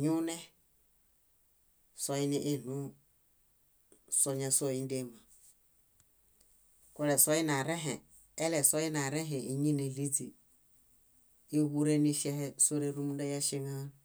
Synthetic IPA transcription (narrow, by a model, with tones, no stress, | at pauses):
ɲu˦ne˦ | so˦i˦ni˦ʔe˦˨nu˦ | so˦ɲa˨so˦˨i˦n˦de˦ma˨ | ko˦le˨so˦ji˦na˨ɾe˦ɦe˨ | e˦le˨so˦ji˦na˨ɾe˦ɦe˨i˨ɲi˦ne˨li˦d͡zi˨ | i˦wu˦ɾe˦ni˦ʃe˦hɛ˦so˦ɾe˦ɾu˦mu˦nda˦ja˦ʃe˦ŋa˦n